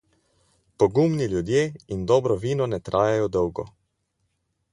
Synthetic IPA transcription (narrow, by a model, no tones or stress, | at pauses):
pɔɡumniljud̪jeːind̪ɔːbɾɔʋiːnɔnɛt̪ɾʔaːjajɔd̪ɔwɡɔ